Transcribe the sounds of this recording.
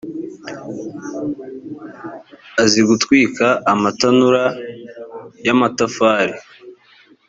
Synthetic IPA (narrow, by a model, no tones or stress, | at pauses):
aziɡutkwiːkaʔːmatanuɾa | jamatafaːɾe